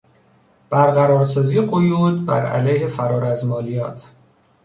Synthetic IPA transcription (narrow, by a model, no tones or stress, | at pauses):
b̥æɾɣæɾɒːɾsɒːziːeɢojuːd̪̚bæ̰ɾæ̰læjhefæɾɒːɾæzmɒːlijɒ̰ːt̪ʰ